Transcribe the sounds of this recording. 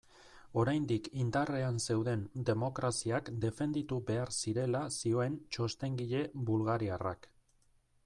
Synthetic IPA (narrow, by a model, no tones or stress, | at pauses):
o̞ɾajnd̪ikind̪are̞anse̞wðe̞nd̪e̞mo̞kɾasiakd̪e̞fe̞nd̪it̪ube̞aɾsiɾe̞lasio̞e̞nt͡ʃo̞st̪e̞ŋɡiʎe̞bulɣaɾiara̰k